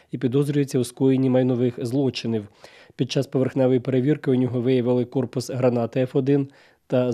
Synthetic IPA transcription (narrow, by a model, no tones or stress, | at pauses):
ipʲid̪ɔzɾʲʊjet͡sʲːɐwskɔjenʲːimɐjnɔʋɪxzlˠɔt͡ʃɪniw | pʲid̪̚t͡ʃɑspɔʋe̞rxnɛʋɔjipe̞ɾeʋʲirkɪʊd̪nʲɔɦɔʋɪjɐʋɪlˠɪkɔrpʊsɦɾɐnɑt̪ɪɛfɔd̪ɪn | t̪ɐ